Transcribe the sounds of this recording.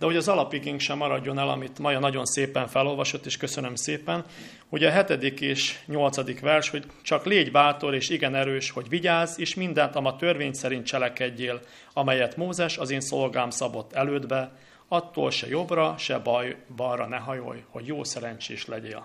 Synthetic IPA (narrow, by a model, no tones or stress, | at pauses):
d̪ɛho̞ɟɒzɒlɒpiɡiŋkʃɛmːɒɾɒɟːo̞nɛlɒ̰mit̪mɒjɒnɒɟo̞nseːpɛɱfɛlo̞lvɒʃo̞t̪ːeːʃkø̞sø̞nømseːpɛn | ho̞ɟɒɦɛt̪ɛd̪ikeːʃɲo̞lt̪sɒd̪ikʋɛrʃho̞c | t͡ʃɒkleːɟbaːt̪o̞leːʃiɡɛnɛɾøːʃho̞ɟʋiɟaːzeːʃmind̪ɛnt̪ɒmɒt̪ørveːɲsɛɾint̪̚t͡ʃɛlɛkɛɟːeːl | ɒmɛjɛt̪moːzɛʃɒzeːnso̞lɡaːmsɒbo̞t̪ːɛløːd̪bɛ | ɒt̪ːo̰ːlʃɛ̰jo̞brɒʃɛbjbɒrɒnɛɦɒjo̰jho̞ɟjoːsɛɾɛɲt͡ʃeːʃlɛɟḛːl